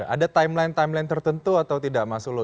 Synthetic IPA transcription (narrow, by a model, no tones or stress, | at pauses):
ʔadat̪ajmlajnt̪ajmlajnt̪ərt̪ənt̪uat̪awt̪idaʔmasʊklo